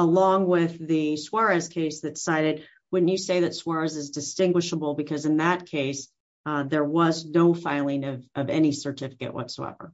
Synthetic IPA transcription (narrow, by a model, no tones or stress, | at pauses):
əlɔ̃ŋwɪðɨswɑɹɨz̥kʰeɪsðɨtsaɪɾɨd̚ | wʊdⁿn̩t͡ʃɨseɪðɨtswɑɹɨzɨzdɨstɪ̃ŋɡwɨʃəbl̩ˠbɨkʰʌzɨ̃nðət̚kʰeɪs | ðə˞wʌznoʊfaɪlˠɪ̃ŋʌvʔʌvɛ̰nisə˞tʰɪfə̥kɨ̰ʔwʔʌ̰tsoʊɛ̰və̰˞